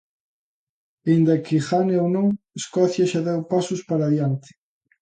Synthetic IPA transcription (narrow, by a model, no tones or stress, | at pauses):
end̪akɪxaneownõŋ | eskɔθjɐʃaðɛwpasʊspaɾaðjant̪ɪ̥